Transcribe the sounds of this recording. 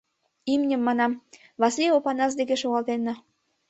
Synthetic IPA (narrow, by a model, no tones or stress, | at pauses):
imnʲə̆mːɑnɑm | βɑsliopɑnɑs̬d̪ek̬eʃoɣɑlt̪enːɑ